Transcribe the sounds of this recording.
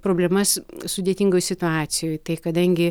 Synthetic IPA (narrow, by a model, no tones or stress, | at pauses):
pɾoːbʲlʲɛmɐssʊd̪ʲeːt̪ʲiŋɡoːjsʲɪt̪ʊaːsʲɪjoːjt̪ɐɪkɐd̪ɐŋʲɡʲɪ